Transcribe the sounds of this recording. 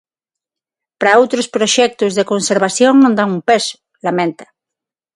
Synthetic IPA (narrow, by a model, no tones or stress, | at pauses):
pɾaowt̪ɾospɾoʃɛk̚t̪ʊzðekonseɾβ̞asjoŋnõnd̪aŋumpɛsʊ̥ | lamɛ̃nt̪ḁ